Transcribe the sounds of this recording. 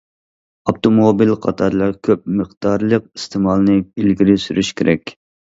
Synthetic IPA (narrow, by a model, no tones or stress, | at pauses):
ɑpt̪omobilqʰɑt̪ʰɑɾlˠɑɾkʲʰøp̚mɨqd̪ɑɾlˠəqi̥st̪ʰɪmɑlˠnɨilɡʲiɾɪsyɾyʃkʲʰeɾʔɛkʲ